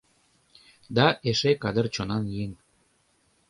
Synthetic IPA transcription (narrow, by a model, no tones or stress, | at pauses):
d̪ɑʔeʃekɑd̪ərt͡ɕonɑnjiŋ